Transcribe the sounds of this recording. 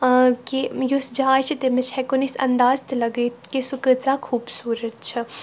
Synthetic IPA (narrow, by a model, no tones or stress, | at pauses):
kijusd͡ʒaːjt͡ʃʰit̪emɐt͡ʃʰhɛkonisɐ̰nd̪aːzt̪ʰlɐɡət̪kesukət͡sakʰuːbsuːɾət̪̚t͡ʃʰɐ